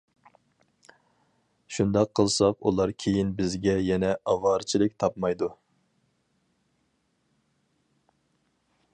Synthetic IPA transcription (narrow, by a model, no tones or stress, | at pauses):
ʃund̪ɑqʰːəlˠsɑqulˠɑɾkʲʰejinbɪzɡʲɛjɛnɛʔɑwɑːɾt͡ʃʰilˠɪk̚ʲt̪ʰɑpmɑjd̪u